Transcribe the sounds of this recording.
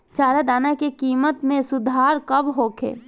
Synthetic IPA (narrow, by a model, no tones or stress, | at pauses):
t͡ʃaːɾad̪aːnakekiːmət̪mẽsʊd̪ʱaːɾkəbɦoːkʰḛː